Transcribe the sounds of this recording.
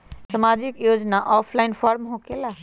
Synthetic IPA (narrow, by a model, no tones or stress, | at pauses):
səmad͡ʒikjod͡ʒnaʔɔpʰlaɪnpʰɔɾmɦõkela